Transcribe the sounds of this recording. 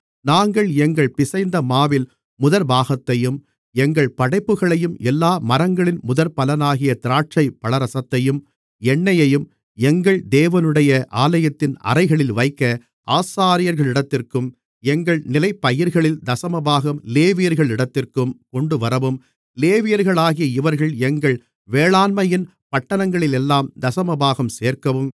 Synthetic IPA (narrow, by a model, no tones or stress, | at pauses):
naːŋɡɐɭɛŋɡɐɭpɪsɐɪnd̪ɐmaːʋɪl | mʊðɐɾbaːɣɐt̪ːɐjɯm | ɛŋɡɐɭpɐɽɐɪpːɯɣɐɭɐjɯmɛlːaːmɐɾɐŋɡɐɭɪnmʊðɐɾpɐlɐnaːɣɪjɐt̪ɪɾaːʈ̚t͡ʃɐɪpːɐɭɐɾɐsɐt̪ːɐjɯm | ɛɳːɐjɐjɯm | ɛŋɡɐɭd̪eːʋɐnɯɽɐjɐʔaːlɐjɐt̪ːɪnɐ̰ɾɐɪɣɐɭɪlʋɐɪkːɐ | aːsaːɾɪjɐɾɣɐɭɪɽɐt̪ːɪrkɯm | ɛŋɡɐɭnɪlɐɪpːɐjɪɾɣɐɭɪld̪ɐsɐmɐbaːɣɐmleːʋɪjɐɾɣɐɭɪɽɐt̪ːɪrkɯmkɔɳɖɯʋɐɾɐʋɯm | leːʋɪjɐɾɣɐɭaːɣɪjɐɪʋɐɾɣɐɭɛŋɡɐɭ | ʋeːɭaːnmɐjɪn | pɐʈːɐnɐŋɡɐɭɪlɛlːaːmd̪ɐsɐmɐbaːɣɐmseːrkɐʋɯm